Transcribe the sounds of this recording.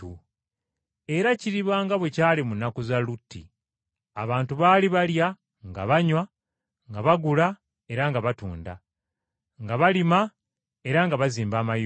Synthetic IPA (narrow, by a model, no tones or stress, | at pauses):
u | e̞ɾaciɾiβwaːŋɡaβwe̞caːlimunːakuzalutʰːḭ | a̰βaːntuβaːliβalja | ŋɡa̰βaɲwa | ŋɡaβaɡula | e̞ɾaŋɡaβatuːnda | ŋɡaβalima | e̞ɾaŋɡaβaziːmbaːmaj